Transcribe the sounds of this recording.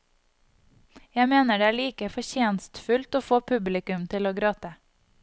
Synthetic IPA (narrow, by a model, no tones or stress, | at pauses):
jæmeːnəɖeːæːɭiːkəfɔçeːnst̪fʉlt̪oːfoːpʰʉblɪkʉmt̪ʰɪloːɡɾoːt̪ə